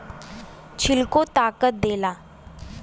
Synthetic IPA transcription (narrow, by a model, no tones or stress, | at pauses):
t͡ɕʰilkot̪aːkət̪̚d̪eːlaː